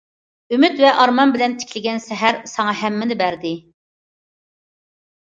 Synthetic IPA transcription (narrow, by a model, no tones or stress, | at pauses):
ymyt̪vɛʔɑɾmɑnbɪlɛnt̪ʰɪ̥kʲʰlɪɡʲɛnsɛɦæɾsɑŋɑɦɛmːɪnɪbæɾd̪ɪ